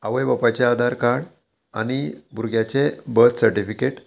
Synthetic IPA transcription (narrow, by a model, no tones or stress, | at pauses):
aʋəjbəpat͡ɕead̪ʱaɾkaɽ | a̰ɽ̃ibʱuɾɡjat͡ɕebəɾt̪səɾʈifikeʈ